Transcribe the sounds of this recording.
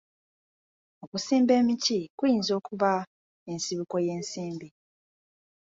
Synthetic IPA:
okusiːmbe̞ːmicikujiːnzo̞ːkuβa | e̞nsiβuko̞je̞ːnsiːmbi

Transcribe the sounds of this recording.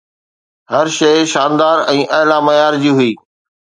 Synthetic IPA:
hɐɾʃɐʃaːnd̪aːɾɛ̃ːʔɐɦɪlamɐjaːɾd͡ʑiːɦʊiː

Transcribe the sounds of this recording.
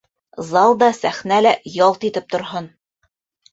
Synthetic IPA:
zɑlˠd̪ɑsæχnælæjɒlˠt̪it̪ɘp̚t̪ŏɾɦon

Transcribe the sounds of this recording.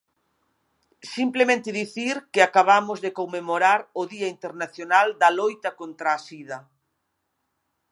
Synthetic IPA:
simplemẽnt̪ɪðiθiɾkɪakaβ̞amʊzðekomːemoɾaɾʊðiaint̪eɾnaθjonald̪ɐlojt̪ɐkont̪ɾaːsiðɐ

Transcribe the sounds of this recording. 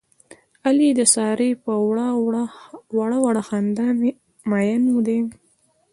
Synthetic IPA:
alid̪əsɑɾepəwɽa | waɽawaɽaxand̪an | majanwud̪e

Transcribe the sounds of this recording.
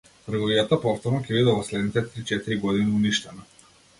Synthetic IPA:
t̪əɾɡɔvijat̪apɔft̪ɔɾnɔkʲɛbid̪ɛvɔslɛd̪nit̪ɛt̪ɾit͡ʃɛt̪iɾiɡɔd̪iniuniʃt̪ɛna

